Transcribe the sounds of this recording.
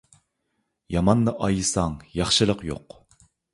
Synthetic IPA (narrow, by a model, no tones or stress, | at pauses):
jɑmɑnːɨʔɑjɨsɑŋjɑχʃɨlˠəqjo̰q